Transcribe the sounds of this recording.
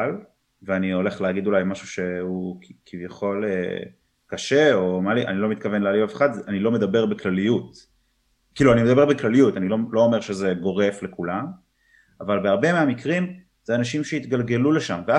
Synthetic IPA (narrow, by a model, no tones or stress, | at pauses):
l | veanio̞le̞χleaɡid̪ulajmaʃuʃe̞hukʰivjaχo̞lḛ | kaʃeo̞maliʔa̰nilo̞mit̪kave̞nlealivafχat̪zeanilo̞med̪abe̞ʁbeklalijut̪ | kiːluanimed̪abe̞ʁbeklalijut̪anilolo̞ːmeʁʃe̞ze̞ɡo̞ʁe̞fle̞kulam | avalbeaʁbe̞meamikʁim | z̥eanaʃimʃeit̪ɡalɡe̞luleʃamvea